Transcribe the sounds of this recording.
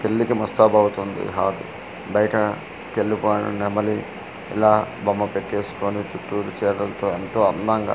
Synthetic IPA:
pelːikimɐst̪ɐːbʱɐwut̪ond̪ḭɦaːd̪ṵ | bɐjɐʈɐ | t̪elːipoːjnɐ̰nemɐli | ḭlaːbʱɐmːɐpeʈːe̞ːsu̥koːnit͡ʃ̪uʈːuːlut͡ʃɛːɾɐlɐt̪oːent̪o̞ːɐnd̪ɐŋɡa̰ː

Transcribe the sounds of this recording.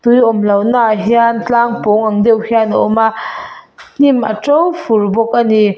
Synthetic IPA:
t̪ujʔɔmlɐwnaʔɦiant͡ɬaŋpoŋʔaŋd̪ewhianɔ̰ma | n̥imʔa̰ʈ͡ʂowfurbɔk̚ʔani

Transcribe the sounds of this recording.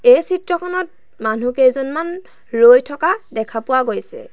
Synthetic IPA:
ejsitɹɔkʰɔnɔt̚ | manukejzɔnman | lojtʰɔkadɛkʰapʊwaɡojsɛ̰

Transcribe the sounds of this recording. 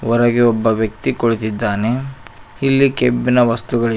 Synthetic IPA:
ɔɾɐɡeɔbːɐʋjɐk̚t̪ikoɭit̪id̪ːaːne | ilːikebːinɐʋɐst̪uɡɐɭ

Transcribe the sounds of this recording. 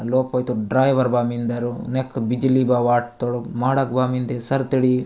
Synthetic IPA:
loːpoːjt̪uɖɾaːjʋɐɾbaːmind̪ɐɾunekːbid͡ʒilibaːʋaːʈ̚t̪oɽumaːɽakbaːmind̪esɐɾt̪iɽi

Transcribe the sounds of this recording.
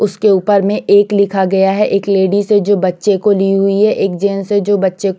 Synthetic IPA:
ʊskeuːpəɾmẽʔeːklɪkʰaɡɐjaɦɛʔeːkleːɖised͡ʒoːbɐtːʃekoliɦʊiɦɛʔeːk̚d͡ʒeːnsed͡ʒoːbɐtːʃek

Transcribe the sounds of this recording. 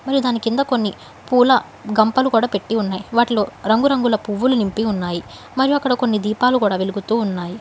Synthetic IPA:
mɐɾjud̪aːnikind̪ɐko̞nːi | puːlɐ | ɡɐmpɐlukuːɽaːpe̞ʈːiunːaːjiʋaːʈlo̞ːɾɐŋɡuɾɐŋɡulɐpuʋːulunimpiunːaːji | mɐɾijuɐkːɐɽɐko̞nːid̪iːpaːlukuːɽaːʋeluɡut̪uːunːaːji

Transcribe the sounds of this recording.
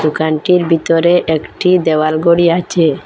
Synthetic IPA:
d̪̥ukanʈiɾbʱit̪ɔɾeʔekʈid̪ewalɡoɽiat͡ɕʰe

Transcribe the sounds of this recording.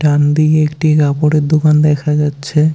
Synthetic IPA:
ʈand̪iekʈikapoɽeɾd̪okand̪ɛkʰad͡ʑatːɕʰe

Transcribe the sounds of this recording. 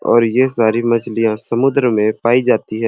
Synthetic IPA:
ɔ̰ːɾjesaːɾimɐd͡ʒlijãsɐmʊd̪ɾmẽpaːid͡ʒaːt̪iɦɛː

